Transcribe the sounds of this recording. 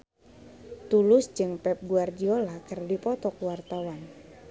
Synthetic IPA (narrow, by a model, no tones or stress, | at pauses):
t̪ulʊsd͡ʒɨŋpɛp̚ɡuard͡ʒiolakɨrdipɔt̪ɔkwart̪awan